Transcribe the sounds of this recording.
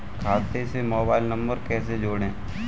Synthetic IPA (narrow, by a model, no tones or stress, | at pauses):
kʰaːt̪esemoːbaːɪlnɐ̃mbəɾkɛːs̬ed͡ʒoːɽẽː